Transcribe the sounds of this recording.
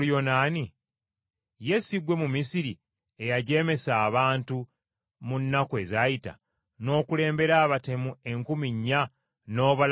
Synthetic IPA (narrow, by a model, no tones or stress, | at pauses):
jonaːni | je̞siɡwe̞mumisiɾi | e̞jaɟe̞ːme̞saːβaːntu | munːakwe̞zajita̰ | no̞ːkule̞ːmbe̞ɾaːβate̞mue̞ŋkumiɲːa | no̞ːβal